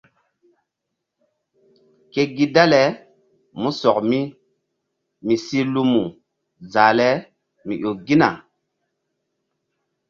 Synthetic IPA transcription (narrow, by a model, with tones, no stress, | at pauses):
ke˦ɡi˦da˦le˨ | mu˦sɔ˨kmi˦ | mi˨si˦lu˦mu˨ | zaː˨le˦ | mḭ˨ʔo˨ɡi˦na̰˨